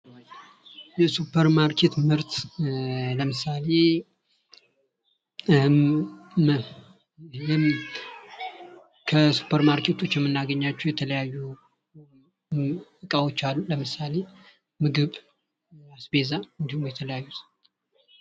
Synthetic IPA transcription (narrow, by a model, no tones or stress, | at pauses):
jɛsupʰːəɾmaɾkʰe̞t̪mɨɾt̪ | ləmɨsale̞ | jɛ | kʰəsu̥pʰːəɾmaɾkʰe̞t̪ʰo̞t͡ʃːjɛmːɨnːaɡəɲːat͡ʃːɛwjɛt̪ʰələjajːu | ɨkʼawo̞t͡ʃːalːuləmɨsale̞ | mɨɡɨβ | asbe̞zaɨnd̪ihumjɛt̪ʰələjajːut̪